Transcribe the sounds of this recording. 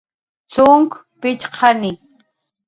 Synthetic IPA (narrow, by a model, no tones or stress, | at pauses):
t͡sʊŋk | pɪt͡ʃqʰɑnɪ